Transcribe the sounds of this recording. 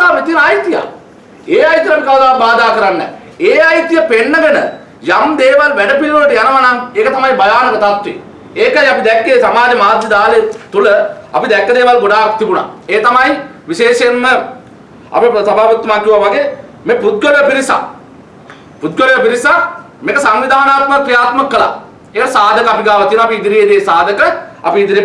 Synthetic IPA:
aːpit̪inajt̪ija̰ | eːajt̪jɐapikaʋd̪aːbaːd̪aːkəɾanːɛ̰ | eːajit̪ijɐpenːəɡənə̰ | jamd̪eːʋalʋɛɖəpilɾoləʈjanɐʋanaŋekət̪ɐmajbɐjaːnɐkət̪at̪ʋḛ | eːkaiapid̪ɛkːeːsamaːd͡ʒemaːd̪jɐd̪aːlet̪uləɐ̰pid̪ɛkːəd̪eːʋalɡoɖaːkt̪ibuna̰eːt̪ɐmajʋiʃeːʃenːə | ɐ̰pipsɐbaːʋut̪ːɐmaːkːiʋaʋaɡeːmeput̪̚ɡoɾjəpiɾisa̰ | put̪̚ɡoɾeəpiɾisa | mekəsaŋʋid̪ʱaːnaːt̪məkɾijaːt̪məkːəla̰ | eːəsaːd̪ʱəkəapiɡaːʋɐt̪ienɔapiːd̪iɾijed̪eːsaːd̪əkəa̰piːd̪iɾie

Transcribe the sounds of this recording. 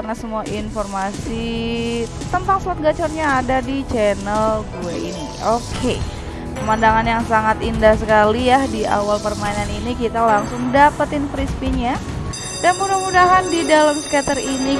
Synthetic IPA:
arnasəmuaʔinfɔrmasi | t̪ənt̪aŋsuat̪̚ɡat͡ʃɔrɲaːdadit͡ʃɛnəlɡuaini | okʰe | pəmandaŋanjaŋsaŋat̪indahsəkalijahdia̰walpərmainaninikit̪alaŋsʊŋdapət̪ɪnfɾispinja | danpudahmudaɦandidalamsə̥kat̪əɾini

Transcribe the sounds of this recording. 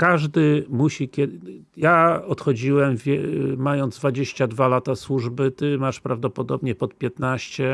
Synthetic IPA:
kaʐd̪ɘmuɕikʲɛd̪ | jaɔt̪xɔd͡ʑiwɛmvʲɛmajɔnd̪zd̪vad͡ʑeɕt͡ɕad̪valat̪aswuʐbɘt̪ɘmaʂpɾavd̪ɔpɔd̪ɔbɲɛpɔt̪̚pʲjɛt̪naɕt͡ɕɛ

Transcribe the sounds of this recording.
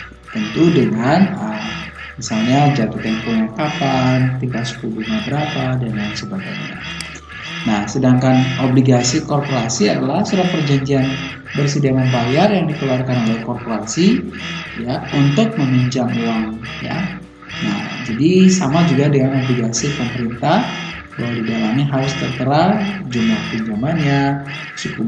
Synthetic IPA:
t̪ənt̪udəŋanəm | misalɲad͡ʒat̪ut̪aŋpuɲakapant̪inpasu̥kubunabəɾapadəŋansəbaɡajɲa̰ | nahsədaŋkanobliɡasikɔrpoɾasiadalahsuɾapərd͡ʒaɲd͡ʒian | bərsidamanbajarjaŋdikəluarkanolɛkɔrpoɾasi | jaunt̪ʊk̚məmiɲt͡ʃamuaŋ | ja̰ | na̰hd͡ʒadisamad͡ʒuɡadəŋanobliɡasipəməɾint̪ah | b̥awadidalamiɦaɾʊst̪ərt̪əɾad͡ʒumlahpəɲd͡ʒamanɲa | səku

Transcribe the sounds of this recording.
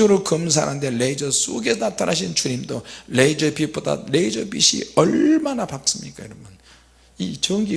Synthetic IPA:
oɾɯɭkɯms̬ʰa̰ɾandeleid͡ʑʌs͈uɡe̞natʰanʔaɕ̬ʰint͡ɕuɲimdoleid͡ʑʌpiboda̰le̞id͡ʑʌbḭɕʰḭʌɭmanapat̚s͈ɯmɲik͈ajiɾʌmʌn | it͡ɕʌŋɡi

